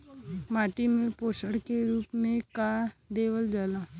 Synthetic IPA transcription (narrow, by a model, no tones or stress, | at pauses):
maːʈimɪlpoːʃəɽkeɾuːpmẽkaːɾd̪eːʋəld͡ʒaːla